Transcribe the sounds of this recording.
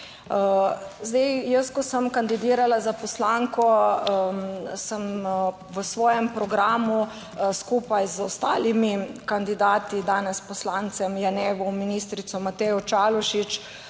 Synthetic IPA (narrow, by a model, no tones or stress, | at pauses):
zd̪ɛjjəskɔsəmkand̪id̪iːɾalazapɔslaŋkɔ | səm | ʋəsʋɔːjɛmpɾɔɡɾaːmu | skuːpajzɔst̪aːlimikand̪id̪aːt̪id̪aːnɛspɔslant̪sɛmjanɛːʋɔminis̬t̪ɾit̪sɔmat̪ɛjɔt͡ʃalɔʃit͡ʃ